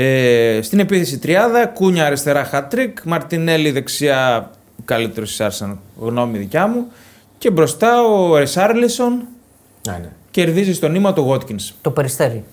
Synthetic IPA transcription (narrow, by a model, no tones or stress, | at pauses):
est̪ine̞piθe̞sit̪ɾiɐndðɐkuɲɐːɾest̪e̞ɾɐxɐt̪ɾikmɐɾt̪ine̞liðe̞ksiɐ | kɐlit̪eɾosi̥sɐɾsɐnɣno̞miðicɐmu | ce̞bɾo̞st̪ɐoɾesɐɾliso̞n | ce̞ɾðizist̪o̞nimɐt̪o̞ɣo̞t̪cinst̪opeɾist̪eɾi